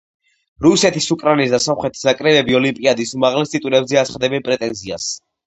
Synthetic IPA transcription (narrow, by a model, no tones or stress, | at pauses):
ɾusɛt̪ʰisukʼɾainis̬d̪asɔmχɾɛt̪ʰi̥snakʼɾɛbɛbiɔlimpʼiad̪isumaʁlɛst̪ʼit̪ʼuɾɛbzɛat̪sʰχad̪ɛbɛnpʼɾɛt̪ʼɛnzia̰s